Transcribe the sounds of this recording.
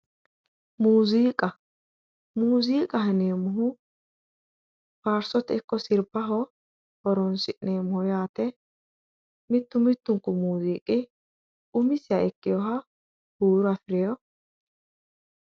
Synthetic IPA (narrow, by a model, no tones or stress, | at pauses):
muːziːkʼɐ | muːziːkʼɐɦɛneːmʊɦʊ | faːɾsɔt̪ɛkːɔsɪɾbɐɦɔ | hɔɾɔnsɪʔneːmʊhɔjaːt̪ɛ | mɪt̪ːʊmɪt̪ːʊŋkːʊmuːziːkʼɪ | ʊmɪsɪjaɛkːɪjɔɦɐ | huːɾʊɐfɪɾɪjɔ